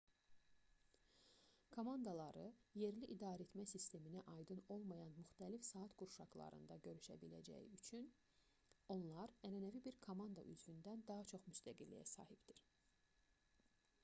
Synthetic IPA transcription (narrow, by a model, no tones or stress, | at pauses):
kʰomɑnd̪ɑlˠɑɾɯje̞ɾliʔid̪ɑːɾet̪mæsist̪e̞minæʔɑjd̪ɯno̞lˠmɑjɑnmyxt̪ælifsɑːt̪ɡuɾʃɑɡlˠɑ̰ɾɯ̰nd̪ɑɟø̞ɾyʃæ̰bilæ̰d͡ʒæ̰jiyt͡ʃʰyn | o̞nlˠɑɾæɾænævibiɾkʰomɑnd̪ɑ̰ʔy̰zvynd̪ænd̪ɑɦɑt͡ʃʰo̞χmyst̪ʰæɡilːḭjæ̰sɑ̰ːhibd̪̥iɾ̥